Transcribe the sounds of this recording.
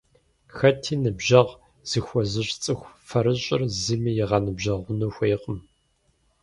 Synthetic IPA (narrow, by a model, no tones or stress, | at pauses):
xɐtʰiːnɨbʒɐʁ | z̥ɨxʷɔzɨɕt͡sʼɨxʷfɐɾɨɕʼɪrzimijɪʁɐnɨbʒɐʁʷʊnuxʷejqʼəm